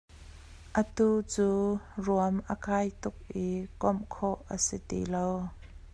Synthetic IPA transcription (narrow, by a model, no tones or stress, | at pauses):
ʔət̪uːt͡suːruəmʔəkʰaːjt̪ʊk̚ʔikɔmkʰɔʔʔəsit̪ḭlow